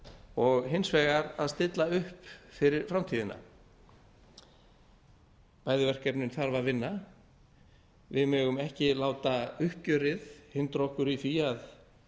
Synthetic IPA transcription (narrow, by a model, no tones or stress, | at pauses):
ɔɣɦɪnsvɛːɣaɾaðst̪ɪt̪laʏhpfɪɾɪɾ̥fɾamt̪ʰiːðɪna̰ | paːjðɪvɛr̥kɛpnʏnθaɾvavɪnːa | vɪðmœːɣʏmɛhcɪlaːwt̪aʏhcʏɾɪðhɪnt̪ɾɔhkʏɾifiað